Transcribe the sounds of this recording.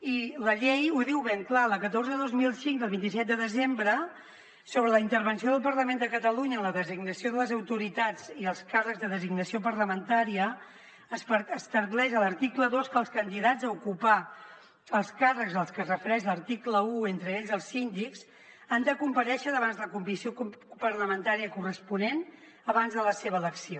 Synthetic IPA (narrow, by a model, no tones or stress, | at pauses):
iləʎejuðiwβeŋklaləkət̪orzəðozmilˠsiŋd̪əlˠβint̪isɛt̪̚d̪əðəzembɾə | soβɾələint̪əɾβənsioðəlˠpəɾləmend̪əkət̪əluɲəːnləðəziɡnəsioðələzəwt̪uɾit̪ad͡ziəlˠskarəkzðəðəziɡnəsiopəɾləmənt̪aɾiə | spəəst̪əɾklɛʃələɾt̪ikləðoskəːlˠskənd̪iðad͡zəukupa | əlˠskarəkzəlˠskəsrəfəɾɛʃləɾt̪ikləuent̪ɾəeʎzəlˠsind̪ikz | and̪əkumpəɾɛʃəðəβanzðələkumbisiopərləmənt̪aɾiəkurəspunen | əβanzðələseβəːləksio